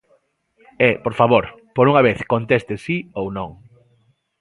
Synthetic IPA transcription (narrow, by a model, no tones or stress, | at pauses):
ɛpoɾfaβoɾ | poɾuŋaβ̞eθkont̪est̪ɪsiownõŋ